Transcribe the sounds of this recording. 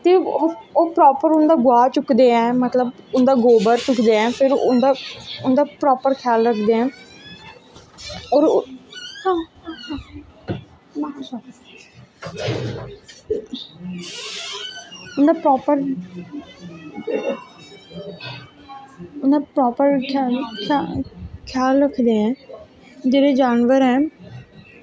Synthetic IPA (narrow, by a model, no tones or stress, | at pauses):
t̪eːooːpɾɔːpəɾʊnd̪aːɡʊaːt͡ʃʊkd̪eːɛ̃ːmət̪ləbʊnd̪aːɡoːbəɾt͡ʃʊkd̪eːɛ̃ːpʰɪɾʊ̰nd̪aːʊnd̪aːpɾɔːpəɾkʰɪjaːlɾəkʰd̪eːɛ̃ː | oːɾ | hãː | ʊnd̪aːpɾɔːpəɾ | ʊnd̪aːpɾɔːpəɾkʰalkʰakʰjaːlɾəkʰd̪eːɦɛ̃ː | d͡ʒeːɾed͡ʒaːnʋəɾɦɛ̃ː